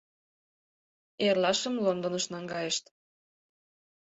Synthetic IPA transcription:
erlɑʃəmlond̪ŏnəʃnɑŋɡɑjəʃt̪

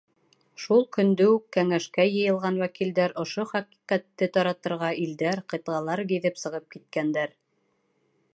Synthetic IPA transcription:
ʃulˠkɵ̆nd̪ɵukːæŋæʃkæjɤ̆jɤ̆lˠʁɑnwækild̪æɾŏʃoχæqi̥qæt̪ːɘt̪ɑɾɑt̪ɤ̆ɾʁɑild̪æɾqɤ̆t̪ʁɑlˠɑɾɡiðɘpsɤ̆ʁɤp̚kit̪̚kænd̪æɾ

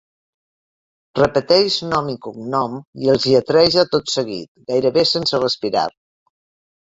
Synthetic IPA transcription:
rəpət̪ɛʒnɔmikumnɔmiəlˠziət̪ɾɛʒat̪ot̪səɣḭt̪̚ɡajɾəβesensərəspiɾa̰ɾ

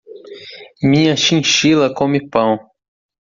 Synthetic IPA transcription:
mĩɲɐʃĩʃilɐkõmɪpɐ̃w̃

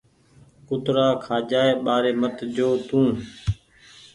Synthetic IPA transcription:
kʊt̪ɾaːkʰaːd͡ʒaːeːɓaːɾeːmət̪d͡ʒoːt̪ũː

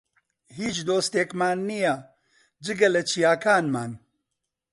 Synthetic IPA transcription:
ɦiːt͡ʃd̪oːst̪eːkmaːnːija | d͡ʒɨɡɐlɐt͡ʃʰijaːkʰaːnmaːn

